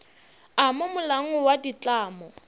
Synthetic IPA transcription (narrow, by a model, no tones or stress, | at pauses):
amʊmʊlaŋ̩wadit͡ɬʼaːmɔ